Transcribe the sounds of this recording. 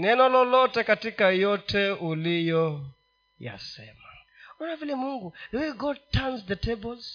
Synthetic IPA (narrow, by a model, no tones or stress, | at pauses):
nɛnɔlɔlɔtɛkatikajɔtʰɛulijɔ | ja̰sɛma | ɔnavilimuŋɡuɛwiɡɔd̚tʰanzðətʰɛbɔlz̥